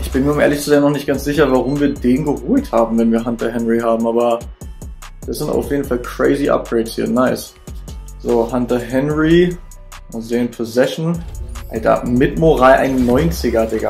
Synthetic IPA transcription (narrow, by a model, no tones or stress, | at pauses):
ʔɪçb̥ɪnmiɐmḛːɐlɪçskəzɛːɡnɔχnɪçt̚ɡ̥ansz̥ɪçɐvaʁʊmviːɐdeːnɡəʁuːlthaːbm̩vɛnviːɐɦantɐɦɛnʁiɦaːbm̩aːbɐ | d̥asz̥ɪnta̰ʊfjeːdn̩falkʰʁ̥ḛɪziʔa̰p̚ɡ̥ʁɛɪtshiːɐnaɪs | z̥oːhantɐɦɛnʁi | mʊzeːənpʰozɛʃn̩ʔaltʰa̰mɪtmoʁaɪʔa̰ɪnnːɔʏnt͡sɪɡɐdɛɡɐ̰